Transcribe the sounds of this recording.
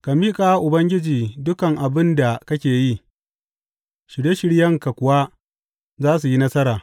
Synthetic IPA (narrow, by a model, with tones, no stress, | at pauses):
ka˨miː˦kʼaː˨˦ʔʊ˨bɐ˦ŋɡʲɪ˦d͡ʒiː˨dʊ˦kɐ˨ŋʔa˨bɪ˦nda˨kɐ˦kʲeː˨ji˦ | ʃɪ˨ɽje˦ʃɪ˦ɽjɐ˦ŋka˨kʷʊ˨wa˦ | zaː˦s̬u˨ji˦nɐ˦sɐ˦ɾaː˨